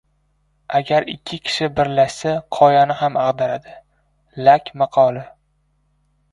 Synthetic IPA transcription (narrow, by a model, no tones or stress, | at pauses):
aɡʲaɾɪ̰kʲʰːɪkʲʰɪ̥ʃɪbɪɾlaʃsaqʰɒjanɪɦamaʁd̪aɾad̪ɪ | lakʲmɑqʰɒlˠɪ